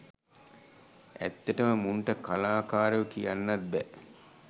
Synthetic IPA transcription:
æ̰t̪ːeʈəməmuɳʈəkalaːkaːɾəʋəkijanːɐt̪̚bɛ

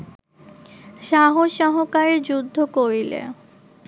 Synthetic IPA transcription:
ʃaɦoʃɔɦokaɾed͡ʑud̪ʱːokoɾilḛ

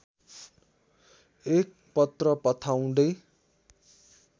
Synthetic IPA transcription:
ek̚ | pʌt̪rʌpʌt̪ʰaw̃d̪ʌj

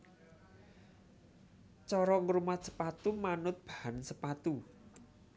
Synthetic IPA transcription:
t͡ʃɔɾɔŋɾumat̪̚sə̥pat̪umanʊt̪̚b̥a̤hansəpat̪u

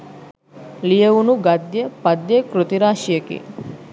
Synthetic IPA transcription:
lijəunuɡad̪jəpad̪jəkɾut̪iɾaːʃijəkḭ

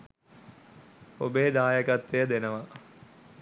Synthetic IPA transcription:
obeːd̪aːjəɡat̪ɾejəd̪enəʋa

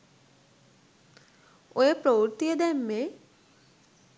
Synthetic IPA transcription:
oepɾowɾt̪ijed̪ɛmːe

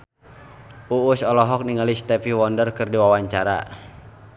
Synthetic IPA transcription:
uusɔlɔɦɔk̚niŋəlist̪ɛfihwɔndərkɨrdiwawaɲt͡ʃaɾa̰

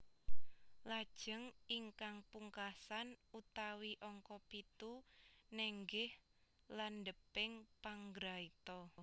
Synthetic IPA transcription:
lad̥ʒ̥əŋiŋkaŋpuŋkasanut̪awiʔɔŋkɔpit̪unɛŋɡɪh | landəpɪŋpaŋɡɾait̪ɔ

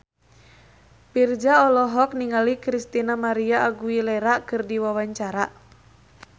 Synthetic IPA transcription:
pird͡ʒaɔlɔɦɔk̚niŋalikɾist̪inamaɾiaːɡuilɛɾakɨrdiwawaɲt͡ʃaɾa

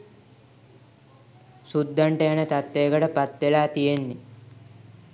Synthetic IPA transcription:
sud̪ːaɳʈəjanət̪at̪ːeːkəʈəpat̪ʋelaːt̪ijenːi

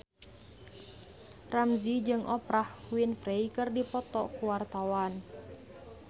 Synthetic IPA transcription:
ramzid͡ʒɨŋʔɔpɾahwinfɾeikɨrdipɔt̪ɔkuwart̪awan

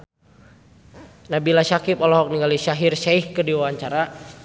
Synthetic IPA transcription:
nabilasakɪp̚ɔlɔɦɔk̚niŋɡaliʃaɦirʃaihkədiwaaɲt͡ʃaɾa

